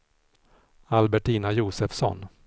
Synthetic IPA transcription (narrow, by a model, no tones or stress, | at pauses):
albɛʈiːnajuːsɛfsɔ̰n